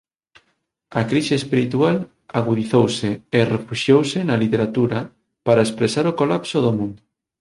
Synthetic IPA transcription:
ɐkɾiʃeːspiɾit̪ual | aɣ̞uðiθowseerefuʃjowsɪnɐlit̪eɾat̪uɾɐ | paɾaespɾesaɾokolapsoðomũnd̪ʊ

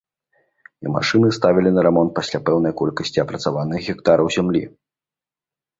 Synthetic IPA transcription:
ḭma̰ʂɨnɨst̪avʲilʲinɐɾɛmɔnt̪̚pasʲlʲapɛwnɐjkɔlʲkɐsʲt͡sʲiɐpɾɐt̪savanɨxɣʲikt̪aɾɐwzʲamlʲḭ

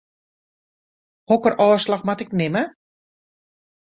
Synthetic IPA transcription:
hɔkərʔɔːslaxmatɪknɪmə

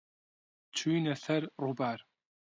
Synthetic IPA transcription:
t͡ʃʷʰujnɐɬɐrrʊbaːr

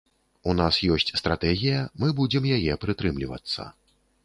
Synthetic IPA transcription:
un̪asjɔsʲt͡sʲst̪ɾat̪ɛɣʲijɐmɨbud͡zʲɛmjajɛpɾɨt̪ɾɨmlʲivɐ̰t̪sːɐ̰

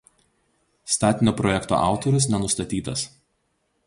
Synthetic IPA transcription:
st̪ɑːt̪ʲɪnʲoːpɾɔjɛkt̪o̰ːʔɑ̰ˑʊt̪ɔɾʲʊs̬nʲɛnʊst̪ɐt̪ʲiːt̪ɐs

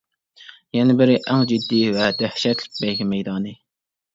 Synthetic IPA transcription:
jɛnɪbɪɾɪʔæŋd͡ʒid̪ːivɛd̪æhʃɛt̪lɪ̥k̚ʲbɛjɡʲɪmɛjd̪ɑːnɨ

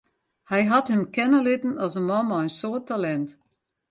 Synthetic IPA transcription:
hɛjɦathəmkɛnəlɪtən̩ɔsəmɔmɔənsoətʰalɛnt

